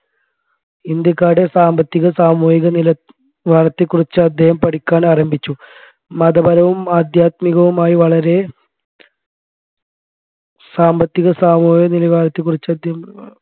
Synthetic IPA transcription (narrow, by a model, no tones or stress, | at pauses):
ind̪jɐkːaːɽe̞saːmbɐt̪ːiɣɐsaːmuːjiɣɐnilɐ | ʋaːlɐt̪ːɨkːurit͡ɕːɨɐd̪ʱːehɐmpɐɽikʲːaːɳaːrɐmbʱit͡ɕːu | mɐðɐbɐɾɐʋumaːd̪jaːt̪miɣɐʋumaːjiʋɐɭɐɾe̞ | saːmbɐt̪ːiɣɐsaːmoːijɐnilɐʋaːɾɐt̪ːɨkːurit͡ɕːɐd̪ʱjem